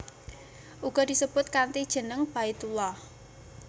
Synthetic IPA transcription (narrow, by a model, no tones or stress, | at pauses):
ʔuɡ̥ɔ̤d̪̥i̤səb̥ʊt̪̚kant̪id̥ʒ̥ə̤nəŋb̥ait̪ulɔh